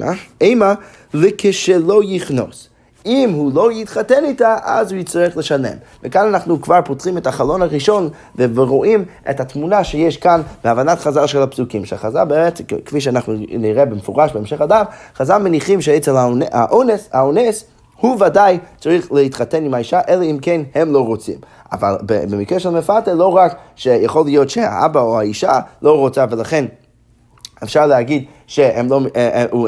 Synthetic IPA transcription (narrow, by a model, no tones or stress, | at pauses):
ema | lekʰeʃelojiχno̰s | imhulojitχatɛnitaʔa̰zhuit͡saʁiχləʃanḛmvekananaχnukv̥aʁpotʁimɛthaχalonaʁiʃon | veveʁoʔimḛthatmunaʃejɛʃkanbeavanatχazalˠʃɛlapsukimʃɛχaza̰lbeet͡skfiʃ̬ɛanaχnuniʁɛbemefuʁaʃbeemʃeχadamχazalˠmeniχimʃeet͡selaa̰ʔonesaones | huvadajt͡saʁiχleit̪χatenimaiʃaʔelaimkenhemloʁot͡sḭm | a̰va̰lbebemikʁeʃɛlmefateloʁakʃejaχolːijotʃea̰ʔa̰baohaiʃaloʁot͡savelaχen | efʃaʁleaɡid̪ | ʃehemlou